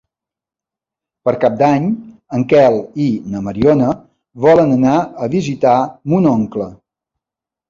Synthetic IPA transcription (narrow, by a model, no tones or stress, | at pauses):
pəɾkap̚d̪aɲəŋkɛlˠinəməɾiɔnə | βɔlənənaəβizit̪amunɔŋklə